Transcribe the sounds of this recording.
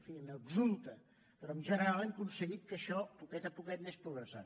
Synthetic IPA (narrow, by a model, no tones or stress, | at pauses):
fiənəɡzulˠt̪ə | pɾɔəmʒənəɾalˠɛmkunsəɣit̪̚kəʃɔpukɛt̪əpukɛt̪̚mespɾuɣɾəsa̰t̪̚